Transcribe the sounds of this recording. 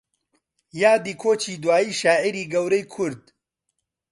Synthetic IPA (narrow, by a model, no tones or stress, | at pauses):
jaːd̪iːkʰoːt͡ʃʰiːd̪waːjiːʃaːʔiɾiːɡɐwɾɛjkʰʊɾd̪̚